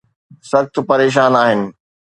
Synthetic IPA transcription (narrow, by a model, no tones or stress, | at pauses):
sɐxt̪ʰpɐɾeːʃ̬aːnaːɦɪnɪ̆